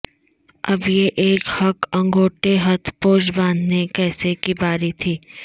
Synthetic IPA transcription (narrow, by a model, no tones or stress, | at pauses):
ɐbjeʔeːkhɐkɐ̃ŋɡʱoːʈeɦɐt̪ʰpoːd͡ʒbãːnd̪ʱnekɛːsekibaːɾit̪ʰiː